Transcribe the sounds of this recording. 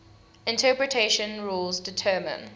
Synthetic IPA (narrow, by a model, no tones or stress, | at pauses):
ɪ̃ntʰɜpɹətʰeʃə̃nɹulzdɪtʰɜːmə̰̃n